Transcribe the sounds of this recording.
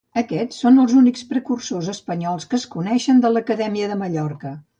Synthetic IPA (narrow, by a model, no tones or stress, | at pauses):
əkɛt͡sːonəlˠzunikspɾəkursozəspəɲɔlˠskəːskunɛʃənd̪ələkəðɛmiəðəməʎɔrkə